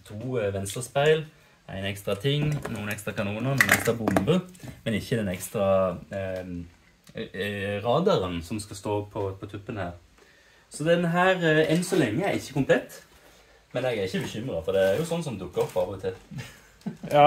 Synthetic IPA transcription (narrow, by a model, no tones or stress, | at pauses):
t̪ʰuːʋɛnst̪əspæɪl | ʔæ̰ɪnɛkst̪ɾɑt̪ʰɪŋnuːənɛkst̪ɾɑkɑnuːnənuːnɛkst̪ɾɑbʊmbəmɛnɪçːəd̪ɛnɛkst̪ɾɑ | ɾɑːd̪ɑɾənsɔmskɑst̪oːpʰɔpʰɔt̪ʰʉpːənhæːʁ | sɔd̪ɛnɦæːɾɛnsɔlɛŋːəæɾɪçːəkʊmpʰlɛt̪ː | mɛnɛɡæɾɪçːəbɛɕʏmɾɑfɔd̪ɛæɾjʊsɔnːsɔmd̪ʊkːəɔpːɑːbəʋət̪ʰɪ